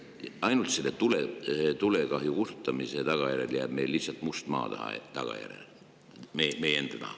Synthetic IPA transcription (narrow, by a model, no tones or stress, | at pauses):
ɑjnult̪selːet̪ulet̪ule̞kɑɦjukust̪u̥t̪ːˑɑmise̞t̪ɑɡ̥ɑjæɾe̞ljæːb̥mejlːihsːɑlt̪ˑmust̪mɑ̰ːt̪ɑhɑ̰t̪ɑɡ̥ɑ̰jæ̰ɾḛl | memejeend̪̥ɑt̪ɑ̰hɑ